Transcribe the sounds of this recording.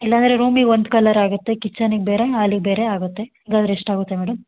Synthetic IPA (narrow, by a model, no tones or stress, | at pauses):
ilːɐɐnd̪ɐɾe̞ɾuːmiɡond̪kɐlɐɾaːɡut̪ːe̞kit͡ʃːaniɡ̚beːɾeaːliɡ̚beːɾe̞aːɡut̪ːe̞iŋɡaːd̪ɾeeʂʈaːɡut̪ːe̞meːɽɐm